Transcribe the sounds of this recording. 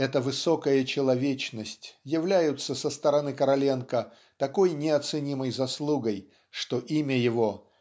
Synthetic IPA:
ɛt̪əvɨso̞kəjət͡ɕɪlˠɐvʲet͡ɕnəsʲtʲjɪvlʲæjʊt̪səsəst̪əɾɐnɨkəɾɐlʲe̞nkə | t̪ɐko̞jnʲɪɐt̪sɨnʲiməjzɐslˠuɡəj | ʂt̪o̞ʔimʲəjɪvo̞

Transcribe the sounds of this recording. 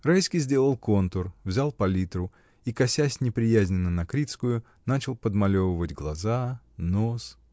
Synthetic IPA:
rajskʲijzʲdʲe̞lˠəlˠko̞nt̪ʊrvzʲalˠpɐlʲit̪ɾʊ | ikɐsʲæsʲnʲɪpɾʲɪjæzʲnʲɪnːənɐkɾʲit̪skʊjʊ | nat͡ɕɪlˠpəd̪mɐlʲo̞vəvədʲɡlˠɐza | nos

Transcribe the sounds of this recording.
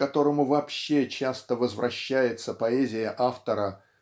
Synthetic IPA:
ɐt̪o̞ɾəmʊvɐːpɕːe̞t͡ɕast̪əvəzvɾɐɕːæjɪt̪səpɐezʲɪjəʔaft̪əɾə

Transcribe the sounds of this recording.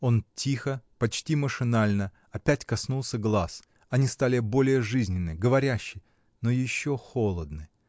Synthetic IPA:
o̞ntʲixəpɐt͡ɕtʲiməʂɨnalʲnə | ɐpʲætʲkɐsnulˠsʲəɡlˠas | ɐnʲist̪alʲɪbo̞lʲɪjəʐɨzʲnʲɪnːɨjɡəvɐɾʲæɕːɪj | nojɪɕːoxo̞lˠəd̪̚nɨ

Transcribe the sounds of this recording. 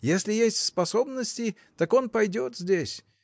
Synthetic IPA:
jesʲlʲɪjesʲtʲspɐso̞bnəsʲtʲɪ | t̪ako̞npɐjdʲot̪zʲdʲesʲ

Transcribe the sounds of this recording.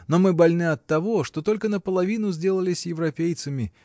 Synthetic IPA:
no̞mɨbɐlʲnɨɐt̪ːɐvo̞ʂt̪o̞t̪o̞lʲkənəpəlˠɐvʲinʊzʲdʲe̞lˠəlʲɪsʲjɪvɾɐpʲejt̪sɨmʲɪ

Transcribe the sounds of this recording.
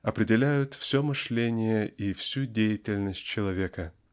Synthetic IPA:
ɐpɾʲɪdʲɪlʲæjʊt̪fsʲomɨʂlʲenʲɪjəʔifsʲudʲejɪtʲɪlʲnəsʲt̚ʲt͡ɕɪlˠɐvʲekə

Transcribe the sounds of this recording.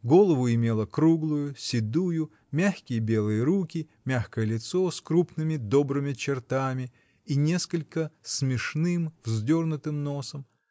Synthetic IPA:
ɡo̞lˠəvʊɪmʲe̞lˠəkɾuɡlˠʊjʊsʲɪd̪ujʊ | mʲaxʲkʲɪjəbʲe̞lˠɨjəɾukʲɪ | mʲaxkəjəlʲɪt̪so̞skɾupnɨmʲɪd̪o̞bɾɨmʲɪt͡ɕɪrt̪amʲɪ | inʲe̞skəlʲkəsmʲɪʂnɨmvzdʲo̞rnʊt̪ɨmno̞səm

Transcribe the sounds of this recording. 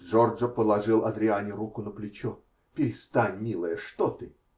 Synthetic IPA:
ʐorʐəpəlˠɐʐɨlˠɐd̪ɾʲɪanʲɪɾukʊnəplʲɪt͡ɕɔ | pʲɪɾʲɪst̪anʲmʲilˠəjəʂt̪ot̪ɨ

